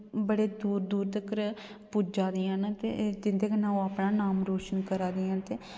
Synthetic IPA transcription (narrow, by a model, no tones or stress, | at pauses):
bəɽeːd̪uːɾd̪uːɾt̪əkəɾ | puːd͡ʒaːd̪iãːnt̪ḛːd͡ʒ̪ɪnd̪eːkənãːoaːpɳaːnaːmɾoːʃənkəɾaːd̪ijãːnt̪eː